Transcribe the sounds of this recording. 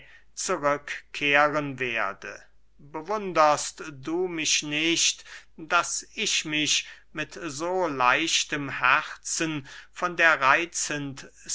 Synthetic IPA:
t͡suʁʏkkʰːeːʁənveːɐdə̰ | bəvʊndɐstduːmɪʃnɪʃtd̥asɪʃmɪʃ | mɪtzoːlaɪʃtəmhɛæʁt͡sənfɔndeːɐʁaɪt͡sənt

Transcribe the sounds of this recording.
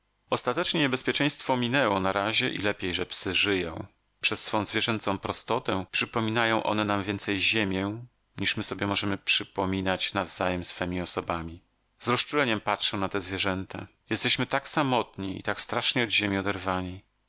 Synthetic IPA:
ɔst̪at̪ɛt͡ʂɲɛɲɛbɛspʲjɛt͡ʂɛ̃j̃st̪fɔmʲinɛwɔnaɾaʑɛʔḭlɛpʲjejʐɛpsɘʐɘjɔ̃w̃ | pʂɛsːfɔ̃w̃zvʲjɛʐɛnt̪sɔ̃w̃pɾɔst̪ɔt̪ɛpʂɘpɔmʲinajɔ̃w̃ʔɔ̰nɛnamvʲjɛnt̪sɛjʑemʲjɛ | ɲiʂmɘsɔbʲjɛmɔʐɛmɘpʂɘpɔmʲinat͡ɕnavzajɛmsfɛmʲiɔsɔbamʲi | zɾɔst͡ʂulɛɲɛmpatʂɛwnat̪ɛzvʲjɛʐɛnt̪a̰ | jɛst̪ɛɕmɘt̪aksamɔt̪ɲiḭt̪akst̪ɾaʂɲɛɔd̪ʑemʲiɔd̪ɛɾvaɲi

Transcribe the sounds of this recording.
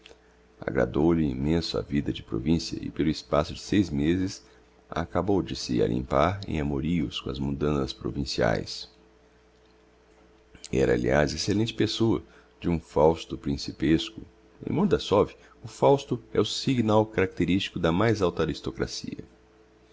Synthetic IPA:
a̰ɡɾa̰d̪owlɪĩmẽsʊɐa̰vid̪ɐd͡ʒɪpɾo̰vĩsiɐ̰ʔɪ̰pelʊɪspasʊd͡ʒɪsejzmezɪs | a̰kabowd͡ʒɪsɪa̰lʔḭ̃mpaɾḛ̃j̃amoɾiʊskõɐ̰zmũd̪ɐ̃sɐspɾo̰vĩsia̰js | ɛ̰ɾɐaliazeselẽnt͡ʃɪ̥pesoɐ̰ | d͡ʒɪũfawst̪ʊpɾĩsipeskʊ | ḛ̃j̃mõɾd̪ɐsɔvi | ʊfawst̪ʊɛʊsiɡnawkaɾak̚t̪eɾist͡ʃi̥kʊd̪ɐmajzawt̪ɐaːɾist̪okɾa̰siɐ̰

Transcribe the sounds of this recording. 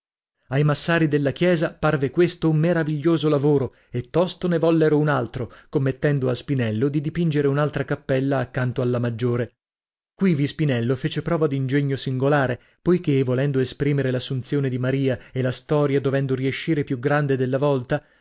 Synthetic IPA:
ajmasːaːɾid̪elːakjɛːzaparvekwest̪oummːeɾaviʎːoːzolavoːɾo | et̪ːɔst̪onevɔlːeɾounalt̪ɾokomːet̪ːɛnd̪oaspinɛlːod̪id̪ipind͡ʒeɾeunalt̪ɾakapːɛlːaːkːant̪oalːamad͡ʒːoːɾe | kwivispinɛlːofeːt͡ʃepɾɔːvad̪ind͡ʒeɲːosiŋɡolaːɾe | pojk̟evolɛnd̪oespɾiːmeɾelasːunt̪sjoːned̪imaɾiːaelast̪ɔːɾjad̪ovɛnd̪oɾieʃːiːɾepjuɡɾand̪ed̪elːavɔlt̪a

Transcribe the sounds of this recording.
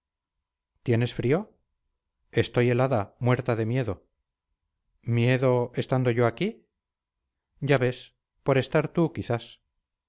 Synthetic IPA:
t̪je̞ne̞sfɾio̞ | e̞st̪o̞je̞laðamwe̞ɾt̪aðe̞mje̞ðo̞ | mje̞ðo̞est̪and̪o̞ʝo̞aki | ɟ͡ʝaβe̞s | po̞ɾe̞st̪aɾt̪ukiθas

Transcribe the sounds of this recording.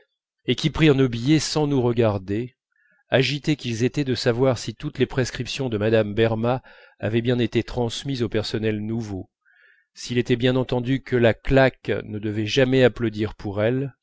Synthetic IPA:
ekʲipχiʁnobijɛsɑ̃nuʁəɡaʁd̪e | aʒit̪ɛkʲilzet̪ɛd̪əsavwaʁsit̪ut̪lepχeskχipsjɔ̃d̪əmad̪ambɛʁma | a̰vɛbjɛ̃net̪et̪χɑ̃smizopɛʁsɔnɛlnuvo | silet̪ɛbjɛ̃nɑ̃t̪ɑ̃d̪ykəlaklaknəd̪əvɛʒamɛaplod̪iʁpʰuʁɛl

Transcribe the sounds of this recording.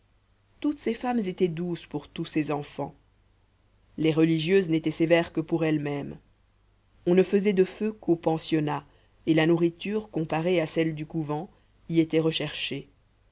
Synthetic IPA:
t̪ut̪sefamzet̪ɛd̪uspuʁt̪usɛzɑ̃fɑ̰̃ | leʁəliʒjøznet̪ɛsevɛʁkəpuʁɛlmɛm | ɔ̃nəfəzɛd̪əføkʰopɑ̃sjɔna | elanuʁit̪yːʁkɔ̃paʁeasɛld̪ykuvɑ̃ | iet̪ɛʁəʃɛʁʃe

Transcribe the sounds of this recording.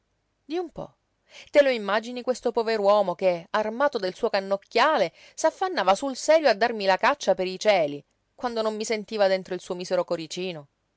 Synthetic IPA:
d̪iumpɔ̰ | t̪eloimːad͡ʒinikwest̪opoveɾwɔːmokearmaːt̪od̪elsuːokanːokːjaːle | safːanːaːvasulsɛːɾjoad̪ːarmilakat͡ʃːapeɾit͡ʃɛːli | kwand̪onomːisent̪iːvad̪ent̪ɾoilsuːomiːseɾokoɾit͡ʃiːno

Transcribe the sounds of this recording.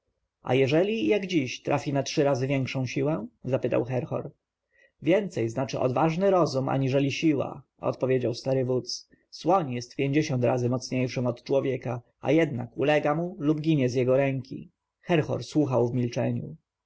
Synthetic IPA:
ʔa̰jɛʐɛlʲijaɡd͡ʑiɕt̪ɾʔafʲinatʂɘɾazɘvʲjɛŋkʂɔ̃w̃ɕiwɛzapɘt̪a̰wxɛɾxɔ̰ɾ | vʲjɛnt̪sɛjznat͡ʂɘʔɔ̰d̪vaʐnɘɾɔzuma̰ɲiʐɛlʲiɕiwa̰ | ɔ̰t̪̚pɔvʲjed͡ʑawst̪aɾɘvut̪s | swɔɲjɛst̪pʲjeɲd͡ʑeɕɔnt̪ɾazɘmɔt̪sɲejʂɘmɔt̪t͡ʂwɔvʲjɛka | a̰jɛd̪na̰kulɛɡamulubɡʲiɲɛzjɛɡɔɾɛŋkʲḭ | xɛɾxɔ̰ɾswuxawvmʲilt͡ʂɛɲṵ

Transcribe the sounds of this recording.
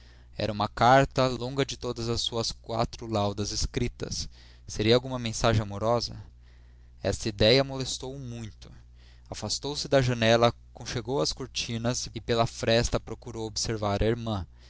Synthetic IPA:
ɛ̰ɾɐũmɐkaɾt̪ɐlõɡɐd͡ʒɪt̪od̪ɐzɐsːuɐskwa̰t̪ɾʊlawd̪ɐzɪskɾit̪ɐ̰sː | eɾiɐawɡũmɐmẽsaʒẽamoɾɔzɐ̰ | ɛ̰st̪ɐid̪ɛjɐmolest̪owmũj̃t̪ʊ̥ | afast̪owsɪd̪ɐʒɐnɛlɐkõʃeɡowɐskoɾt͡ʃĩnɐsɪpelɐfɾɛst̪ɐpɾokuɾowobɪseɾvaɾʔɐiɾmɐ̃

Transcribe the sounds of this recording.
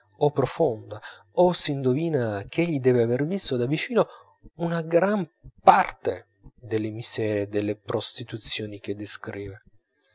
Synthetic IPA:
opːɾofond̪a | osiːnd̪oviːnak̟eʎːid̪ɛːveavervist̪od̪avit͡ʃiːno | unaɡɾampart̪ḛ | d̪elːemisɛːɾed̪elːepɾost̪it̪ut̪sːjoːnik̟ed̪ːeskɾiːve

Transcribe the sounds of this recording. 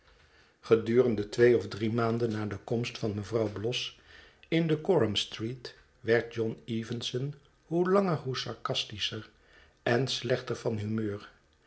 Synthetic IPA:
χədyːrəndətʋejɔvdrimaːndənːaːdəkɔmstfɑnməvrɑwblɔs | ɪndəkɔɹəmstrit | ʋɛɹt̚d͡ʒɔniːvənsən | ɦulɑŋəɹɦusɑɹkɑstisəɹ | ʔɛnslɛχtəɹv̥ɑnɦymøːɹ

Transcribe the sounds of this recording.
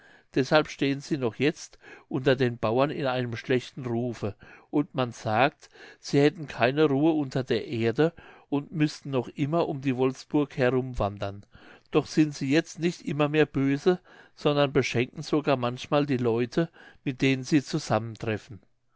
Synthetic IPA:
d̥ɛshalpʃteːənz̥iːnɔχjɛt͡stʔʊntɐdeːnbaʊɐnɪ̰naɪnəmʃlɛçtn̩ʁuːfəʔʊntmanz̥aːk̚tz̥iːhɛtn̩kʰaɪnəʁuːəʊntɐdeːɐʔeːɐdəʔʊntmʏstn̩nɔχʔɪmɐʔʊmdiːvɔlfsb̥ʊɐkhɛɐʁʊmvandɐnd̥ɔχz̥ɪntz̥iːjɛt͡stnɪçtʔɪmɐmeːɐbøːzə | z̥ɔndɐnbəʃɛŋkŋ̩z̥oɡaːɐmançmaːldiːlɔʏtʰəmɪt̚d̥eːnənziːt͡suzaməntʁ̥ɛfn̩

